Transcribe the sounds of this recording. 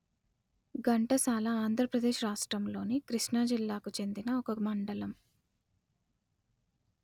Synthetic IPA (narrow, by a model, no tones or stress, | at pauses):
ɡɐɳʈɐsaːlɐaːnd̪ʱɾɐpɾɐd̪eːʃɾaːʂʈɾɐmlo̞ːnikɾiʂnaːd͡ʒilːaːkut͡ʃe̞nd̪inɐɔkɐmɐɳɖɐlɐm